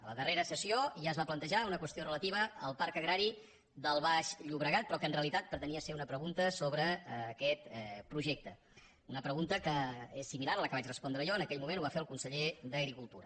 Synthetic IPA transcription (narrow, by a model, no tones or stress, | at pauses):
ələðəreɾəsəsioʒaəzβaplənt̪əʒaunəkwəst̪iorələt̪iβəəlˠpaɾkəɣɾaɾi | d̪əlˠβaʃʎuβɾəɣat̪̚pɾɔkənreəlit̪at̪̚pɾt̪əniəseunəpɾəɣunt̪əsoβɾəkɛt̪pɾuʒɛk̚t̪ə | unəpɾəɣunt̪əkəesːimilaɾələkəβat͡ʃrəspɔnd̪ɾəʒɔənəkɛʎmumenuβafeəlˠkunsəʎed̪əɣɾikulˠt̪uɾə